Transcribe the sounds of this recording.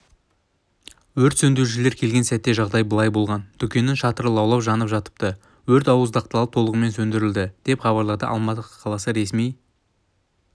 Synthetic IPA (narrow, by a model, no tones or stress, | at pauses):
wɵɾt̪sɵnd̪eɾʒɪle̞ɾkʲʰe̞lɡʲe̞nsæt̪ːe̞ʒɑʁd̪ɑjbəlˠɑjbo̞lˠʁɑnd̪̥ʏkʲe̞nɪʃɑt̪əɾəlˠɑwlˠɑwʒɑnəpʒɑt̪ə̥p̚t̪ə | wɵɾt̪ɑwəzd̪ɑq̚t̪lɑlˠəp̚t̪ʰo̞lˠəʁəme̞nsɵnd̪ɪɾɪld̪ɪd̪̥e̞pχɑβɑɾlˠɑd̪əʔɑ̰lˠmɑt̪əqə̥qʰɑlˠɑsəɾe̞smij